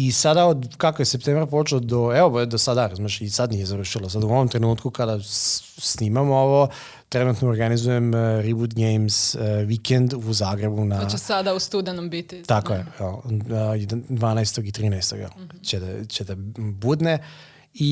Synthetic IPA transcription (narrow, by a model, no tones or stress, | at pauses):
isad̪aod̪kakojesep̚t̪eːmɾapo̞t͡ʃelod̪oeopd̪osad̪aɾazmaʃisad̪nije̞zaɾuʃilosad̪uoʋomt̪ɾenuːt̪̚kukad̪a | sniːmamooʋo̞ | t̪ɾenuːt̪nooɾɡanizujemɾibut̪ɡejmsʋikend̪uzaːɡɾebunaesad̪aust̪ud̪enombit̪it̪akojeɛojd̪d̪ʋaːnajst̪oɡit̪ɾiːnajst̪o̰ɡɛ̰lt͡ɕed̪at͡ɕed̪abud̪ne | i